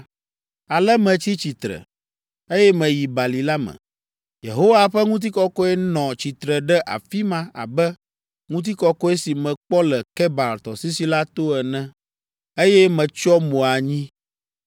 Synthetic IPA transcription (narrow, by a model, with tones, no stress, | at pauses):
a˨lɛ˦mɛ̃˨t͡ɕi˦t͡ɕi˨t̪ɾɛ̰˨ | e˦jɛ˦mɛ̃˨ji˨ba˨li˨la˦mɛ̰̃˨ | jḛ˨ɦo˦wa˦ɸɛ˦ŋũ˦t̪̬i˦kɔ˦kɔ˦ɛ˦nɔ̃˨t͡ɕi˨t̪ɾɛ˨ɖɛ˦ʔa̰˨fi˦mã˦a̰˨bɛ˦ | ŋũ˦t̪̬i˦kɔ˦kɔ˦e˦si˨mɛ̃˨k͡pɔ˦lɛ˨kɛ˦ba˨lt̪ɔ˨si˦si˦la˦t̪o˦ɛ˨nɛ̃˦ | e˦jɛ˦mɛ̃˨t͡ʃɔ˦mõ˨a˨ɲĩ˦